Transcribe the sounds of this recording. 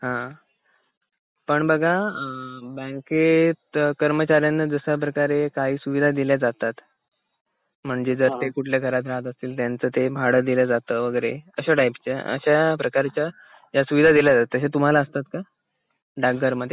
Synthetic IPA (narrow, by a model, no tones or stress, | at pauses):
ɦã | pəɳbəɡʱa | bə̃ŋket̪kəɾmət͡ɕaɾjanːəd͡zəsap̬ɾəkaɾekaɦiːsuʋid̪ʱad̪iljad͡zat̪at̪ | m̤əɳd͡zed͡zəɾt̪ekuʈʰljaɡʱəɾat̪̬ɾaɦət̪əst̪iːlt̪jant͡səːt̪ebʱaɽəd̪iljad͡zat̪əʋəɡəɾḛəɕaʈajpt͡ɕeə̰ɕapɾəkaɾt͡ɕja | jasuʋid̪ʱad̪iljad͡zat̪at̪ːəɕ̬at̪um̤alaəst̪at̪ka | ɖakɡəɾməd̪ʱːje